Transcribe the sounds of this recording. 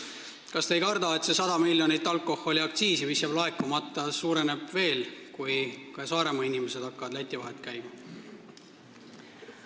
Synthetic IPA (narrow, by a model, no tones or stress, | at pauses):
kɑst̪ejkɑrd̪̥ɑe̞t̪se̞sɑd̪̥ɑmilʲjo̞nit̪ːˑɑlkːˑo̞ho̞liɑk̚t̪siːsivisjɑb̥lɑe̞kːˑumɑt̪ːˑɑsuːɾe̞ne̞b̥ve̞ːlkujkɑsɑːɾe̞mɑinʲimese̞d̪ɑkːɑvɑd̪læt̪ʲːˑivɑɦe̞t̪ːˑkæjmɑ